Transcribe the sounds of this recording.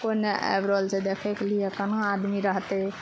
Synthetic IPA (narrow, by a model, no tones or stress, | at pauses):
koneḛbɾəlsed̪ekʰeklijekənaad̪miɾəɦt̪ɛ